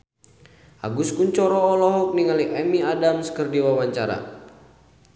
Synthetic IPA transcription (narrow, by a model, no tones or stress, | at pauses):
ʔa̰ɡuskuɲt͡ʃɔɾɔːlɔɦɔk̚niŋaliʔɛmiadamskərdiwawaɲt͡ʃaɾa̰